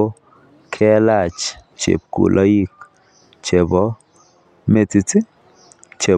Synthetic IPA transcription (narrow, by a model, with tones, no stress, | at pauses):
kʰɛ˦la˦˨t͡ʃt͡ʃḛ˨p̚kṵ˨lʔa˦ji˦˨k | t͡ʃe˨bɔ˦ | me˦˨ti˧t͡sɪ˦ | t͡ʃe˨